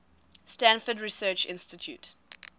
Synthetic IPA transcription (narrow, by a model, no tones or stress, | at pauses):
stæ̃nfədɹisɜːt͡ʃɪ̰̃nstɪtʰjṵt